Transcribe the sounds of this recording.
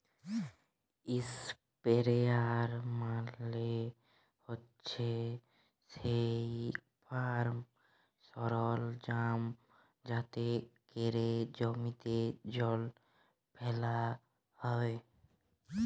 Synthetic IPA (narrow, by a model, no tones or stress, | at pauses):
ɪs | peɾeaɾmãle | hot | t͡ʃʰe | sek̚ | pʰaɾm | sɔɾɔld͡ʒaːm | d͡ʒaːt̪ekeɾed͡ʒɔmit̪ed͡ʒɔl | pʰela | hɔe